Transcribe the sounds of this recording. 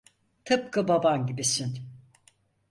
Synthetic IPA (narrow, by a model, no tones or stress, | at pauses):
t̪ʰɯp̚kʰababanɟibisin